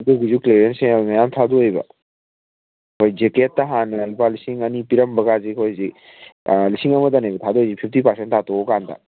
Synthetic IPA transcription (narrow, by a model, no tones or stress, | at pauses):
duɡuzukleɾentsemajamtʰaduɔjbɐ̰ | kʰɔjd͡ʒeketːaɦanɐlipalisiŋɐnipiɾɐmbɐɡazikʰojzi | lisiŋɐmɐdanejbɐtʰaduojzipʰip̚ʰtipɐɾsentʰatɔkanta̰